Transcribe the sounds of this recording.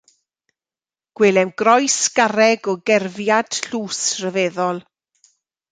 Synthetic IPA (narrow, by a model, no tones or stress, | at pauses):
ɡ̥wɪlɛmɡ̥ɾɔjsɡ̥aɾɛɡɔɡɛrvjad̥ɬuːsrəvɛːðɔlˠ